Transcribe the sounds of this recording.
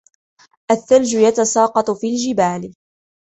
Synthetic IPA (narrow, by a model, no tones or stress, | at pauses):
ʔaθːald͡ʒʊjat̪asɑːqɑt̪ˤfiːld͡ʒɪbaːlɪ